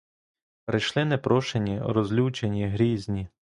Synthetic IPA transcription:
pɾɪjʃlˠɪnepɾɔʃenʲiɾɔzʲlʲuwt͡ʃenʲiɦɾʲizʲnʲi

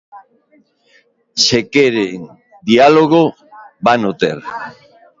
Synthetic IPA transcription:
sekeɾeŋ | d̪ialoɣ̞o | banot̪ḛɾ

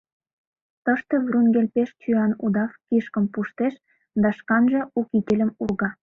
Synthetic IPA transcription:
t̪əʃt̪evrunɡelʲpeʃt͡ɕyɑnṵd̪ɑfkiʃkəmpuʃt̪eʃ | d̪ɑʃkɑnʒĕukit̪ʲelʲə̆murɣɑ

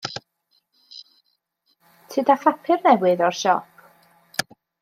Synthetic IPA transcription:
tʰɨːdafapʰɪrnɛwɨðɔrʃɔ̰pʰ

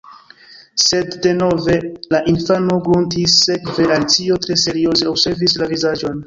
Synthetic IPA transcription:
se̞dːe̞no̞ve̞laʔinfano̞ɡɾuntisːe̞kve̞alt͡sio̞tɾe̞se̞ɾio̞ze̞obse̞ɾvislavizad͡ʒo̞n

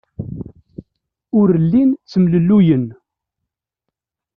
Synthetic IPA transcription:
ʊɾəlːint͡sːəmləlːujən

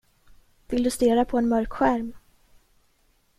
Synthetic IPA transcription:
vɪld̪ɵst̪eːɾapʰɔɛnmœɾkɧæɾm

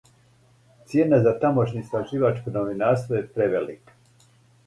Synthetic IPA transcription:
t̪sje̞ːnazat̪amo̞ʃnist̪ɾaʒiːʋat͡ʃkonoʋinaːɾst̪ʋojepɾeʋelḭk

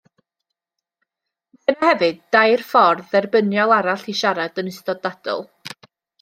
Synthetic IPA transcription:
ɛnahɛvɨdajrfɔrðɛrbənjɔlˠaɾaɬiʃaɾadənɨstɔdad̥ɔ̰lˠ

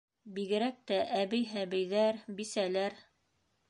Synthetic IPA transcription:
biɣɘ̆ɾæk̚t̪æʔæβɘjɦæβɘjðæɾbisælæɾ

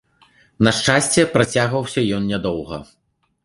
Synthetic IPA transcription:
nɐʂt͡ʂasʲt͡sʲɛpɾat͡sʲaɣvɐwsʲɐjɔnnʲad̪ɔwɣɐ̰

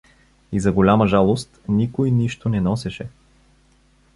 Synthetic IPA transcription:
izɐɡolʲaməʒalˠost̪nikojniʃt̪onɛnɔsɛʃɛ

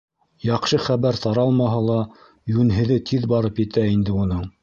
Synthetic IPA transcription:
jɑqʃɤχæβæɾt̪ɑɾɑlˠmɑɦɑlˠɑ | jʉnɦɘ̆ðɘt̪ʰiðbɑɾɤpjɘ̆t̪ʰæind̪ɘunɤɴ

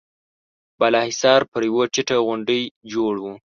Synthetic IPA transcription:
balɑhɪsɑɾpəɾjwət͡ʃɪʈəɣʊɳɖəjd͡ʒoɽwu

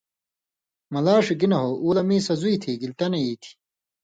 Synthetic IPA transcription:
mɐlaːʂiɡinɐɦoʔuːlɐmiːsɐzuit̪ʰiɡilt̪ɐneiːt̪ʰi̥

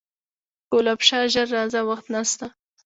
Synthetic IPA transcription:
kolapʃɑʒaɾːɑzawaxt̪nast̪a

